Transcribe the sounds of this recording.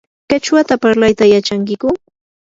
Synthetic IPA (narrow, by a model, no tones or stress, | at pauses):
kat͡ʃwat̪apaɾlajt̪ajat͡ʃaŋkɪkʊ